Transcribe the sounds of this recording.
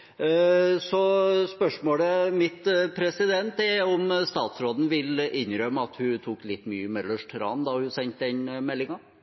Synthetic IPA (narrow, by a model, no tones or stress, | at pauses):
sɔspœʂmoːləmɪt̪pʰɾɛsɪd̪ɛnt̪ɛæɾɔmst̪ɑːt̪sɾoːd̪n̩ʋɪlʔɪnɾœmːəɑt̪hʉt̪ʰuːklɪt̪ːmy̰ːəmɛd̪ləʂʈʰɾɑ̰ːnd̪ɑhʉsɛnt̪̚d̪ɛnmɛlːɪŋɑ